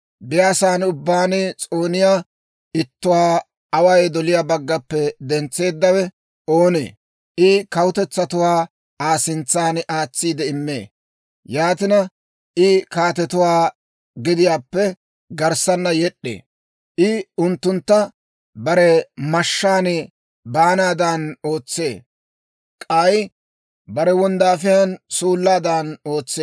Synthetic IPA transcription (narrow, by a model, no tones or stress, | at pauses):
bɪjaːsaːnʊbːaːnɛt͡sʼoːnɪjaː | ɪt̪ːʊwaː | ɐwɐjd̪ɔlɪjaːbɐɡːɐpːɛd̪ɛnt͡sːe̞ːd̪ːɐwɛ | oːnḛː | ʔɪkɐwʊt̪ɛt͡sːɐt̪ʊwaː | aːsɪnt͡sːaːnʔaːt͡sːiːd̪ɛɪmːḛː | jaːt̪ɪnɐ | ʔɪkaːt̪̬ɛt̪ʊwaː | ɡɪd̪ɪjaːpːɛ | ɡɐɾsɐnːɐjɛɗːḛː | ʔɪʊnt̪ːʊnt̪ːɐ | bɐɾɛmɐʃːaːnɛ | baːnaːd̪ano̞ːt͡sːe̞ː | kʼɐj | bɐɾɛwɔnd̪aːfɪjansuːlːaːd̪aːno̞ːt͡sːeː